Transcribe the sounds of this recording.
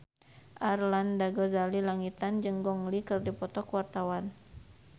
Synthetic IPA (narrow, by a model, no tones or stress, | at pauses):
ʔarlandaɡɔzalilaŋit̪and͡ʒɨŋɡɔŋlikɨrdipɔt̪ɔkwart̪awan